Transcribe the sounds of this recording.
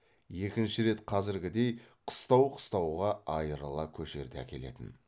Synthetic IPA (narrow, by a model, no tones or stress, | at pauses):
je̞kʲɪnʃɪɾe̞t̪qʰɑzɪɾɡʲɪd̪e̞jqʰə̥st̪ɑwqʰə̥st̪ɑwʁɑʔɑjəɾəlˠɑkʲʰɵʃe̞̰ɾd̪eæ̰kʲʰe̞le̞̰t̪ɪ̰n